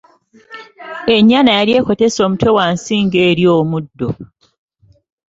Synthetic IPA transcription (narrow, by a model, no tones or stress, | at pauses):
e̞ɲːanajaɾje̞ːko̞te̞so̞ːmutwe̞wansiːŋɡe̞ːɾjo̞ːmudːo